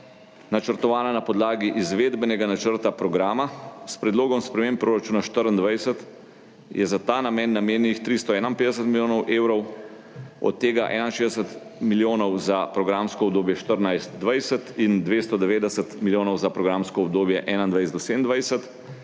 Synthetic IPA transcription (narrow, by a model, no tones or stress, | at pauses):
nat͡ʃəɾt̪ɔʋaːnanapɔd̪laːɡiʔizʋeːd̪bɛnɛɡanat͡ʃəɾt̪apɾɔɡɾaːmaspɾɛd̪loːɡɔmspɾɛmempːɾoːɾat͡ʃuːnaʃt̪əɾənd̪ʋajsət̪ | jɛzat̪aːnamɛːnːameːnixt̪ɾist̪ɔɛːnanped̪ɛsət̪miljoːnɔwʔeːwɾɔw | ɔ̰t̪ːeːɡaʔɛ̰najnʃeːd̪ɛsət̪ | miljoːnɔwzapɾɔɡɾamskɔbd̪oːbjɛʃt̪əɾnajst̪d̪ʋajsət̪ind̪ʋest̪ɔd̪ɛʋeːd̪ɛsət̪miljoːnɔwzapɾɔɡɾaːmskɔɔbd̪oːbjɛʔɛːnand̪ʋajsɛd̪d̪ɔseənd̪ʋajsət̪